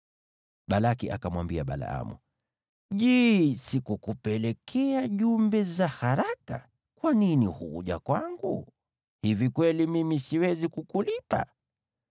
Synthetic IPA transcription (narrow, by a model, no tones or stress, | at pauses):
ɓalakiʔa̰kamwambiaɓa̰la̰a̰mṵ | ʄɛsikukupɛlɛkʰɛaʄumbɛzahaɾaka̰ | kwaninihṵṵʄa̰kwaŋɡṵ | hivikwɛlimimisiwɛzikukulipa̰